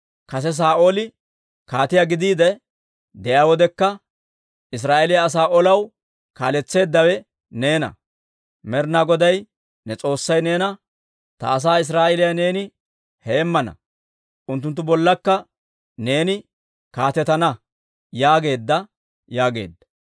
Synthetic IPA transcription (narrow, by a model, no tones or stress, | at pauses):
kɐs̬ɛs̬aːʔoːlɪ | kaːt̪ɪjaɡɪd̪iːd̪ɛ | d̪ɛʔjaːwɔd̪ɛkːɐ | ʔɪs̬ɾaːʔɛlɪjaːs̬aːʔɔlɐw | kaːlɛt͡sːe̞ːd̪ːɐwɛ | ne̞ːnɐ̰ | mɛɾnaɡɔd̪ɐj | nɛt͡sʼo̞ːsːɐjne̞ːnɐ | t̪ɐ̰ːs̬aːɪs̬ɾaːʔɛlɪjane̞ːnɪ | heːmːɐnɐ̰ | ʔʊnt̪ːʊnt̪ːʊbɔlːɐkːɐ | ne̞ːnɪ | kaːt̪ɛt̪ɐnɐ | jaːɡe̞ːd̪ːɐ | jaːɡe̞̰ːd̪ːɐ̥